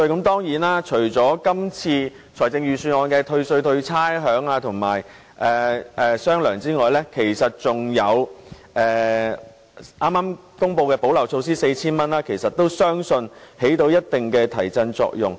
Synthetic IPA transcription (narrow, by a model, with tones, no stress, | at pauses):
kɐ˨˥mt̪ɔː˥ŋjiː˨˥naː˥t͡ʃʰɵ˨˩ɥt͡sɔː˨˥kɐ˥mt͡sʰiː˧ | t͡sʰɔː˨˩jt͡sɪ˧ŋjɥyː˨˩syː˨˩nɔː˨˧nkɛː˧t̪ʰɵ˧ɥsɵ˧ɥt̪ʰɵ˧ɥt͡sʰaː˥jɦœː˨˥ŋaː˧t̪ʰʊ˨˩ŋma̰ː˨˩j | ʔɛː˨ʔɛː˨sœː˥ŋlœː˨˩ŋt͡siː˥ŋɔː˨jlɛː˥kʰe˨˩jsɐ˨t̚t͡sʊ˨ŋjɐ˨˧w | ʔɛː˨ | ʔaː˥maː˥m | kʊ˥ŋpo˧wkɛː˧po˨˥wlɐ˨˩wt͡sʰo˧ws̬iː˥se˧jt͡sʰiː˥nmɐ˥nlaː˥kʰe˨˩jsɐ˨t̚t̪ːo˥wsœː˥ŋsɵ˧nhe˨˥jt̪o˨˧wjɐ˥t̚t̪ɪ˨ŋkɛː˧t̪ʰɐ˨˩jt͡sɐ˧nt͡sɔ̰ː˧k̚jʊ˨ŋ